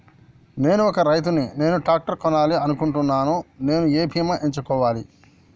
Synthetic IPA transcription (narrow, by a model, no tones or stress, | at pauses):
ne̞ːnuɔkɐɾɐjt̪̬unine̞ːnuʈaːk̚ʈɐɾkɔnaːliɐnukuɳʈunːaːnune̞ːnueːpʰijɐmɐʔeɲt͡ʃukɔːʋaːli